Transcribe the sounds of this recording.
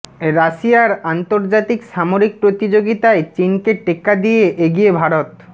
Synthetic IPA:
ɾaʃijaɾant̪oɾd͡ʑat̪ikʃamoɾik̚pɾot̪id͡ʑoɡit̪aet͡ɕinkeʈekːad̪ijeʔeɡijebʱaɾot̪

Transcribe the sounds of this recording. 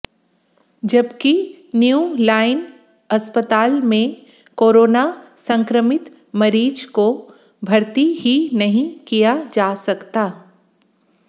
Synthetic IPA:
d͡ʒɐbki | njuːlaːɪn | ɐspət̪aːlmẽ | koːɾoːnasɐ̃ŋkɾəmɪt̪ | mɐɾiːd͡ʒko | bʱɐɾt̪iɦinɐɦĩkijad͡ʒaːsɐkt̪aː

